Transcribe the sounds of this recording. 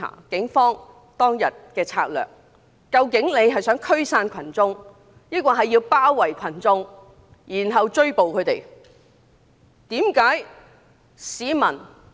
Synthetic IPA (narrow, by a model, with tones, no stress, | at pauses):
a̰ː˨˩kɪ˨˥ŋfɔː˥ŋ | t̪ɔː˥ŋjɐ˨t̚kɛː˧t͡sʰa̰ː˧k̚lœ̰ː˨˩k̚ː | ɐ˧wkɪ˨˥ŋne˨˧jɦɐ˨jsœː˨˥ŋkʰɵ˥ɥsaː˧nkʰɐ˨˩nt͡sʊ˥ŋ | jiː˥kɔː˧ɦɐ˨jːiː˧wpaː˥wːɐ˨˩jkʰɐ˨˩nt͡sʊ˧ŋ | jiː˨˩nɦɐ˨wt͡ʃɵ˥ɥpo˨wkʰɵ˨˧t̪ḛ˨˩j | t̪iː˨˥mkaː˨˥j | siː˨˥mɐ˨˩n